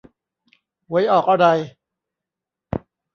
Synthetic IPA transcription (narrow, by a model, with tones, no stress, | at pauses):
wa˦˥jʔɔː˨˩k̚ʔa˧ɾa˧j